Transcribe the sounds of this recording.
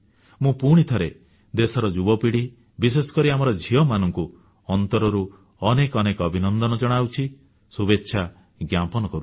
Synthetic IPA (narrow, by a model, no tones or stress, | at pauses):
mũpuɽ̃it̪ʰɔɾe | d̪esɔɾɔd͡ʒubɔpiɽi | bisesɔ̥kɔɾiamɔɾɔd͡ʒʱiɔmanɔŋku | ɔnt̪ɔɾɔɾu | ɔnekɔnekɔbʱinɔnd̪ɔnɔd͡ʒɔɽ̃awt͡ʃʰi | subetːʃʰa | ɡjapɔnɔkɔɾu